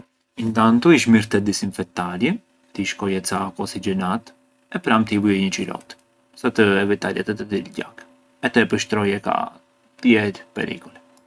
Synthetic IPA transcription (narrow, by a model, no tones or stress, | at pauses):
int̪ant̪uiʃ̬miɾt̪ɛd̪isinfɛk̚t̪aɾjɛ | t̪iʃkɔjɛt͡sakɔsid͡ʒɛnat̪ | ɛpɾamt̪ivuɛɲət͡ʃiɾɔ̰t̪ | sat̪əɛvit̪aɾjɛ̰t̪ɛt̪əd̪ilɟa̰k | ɛt̪ɛpəʃt̪ɾɔjɛka̰ | t̪əjɛt̪pɛ̰ɾḭkulɛ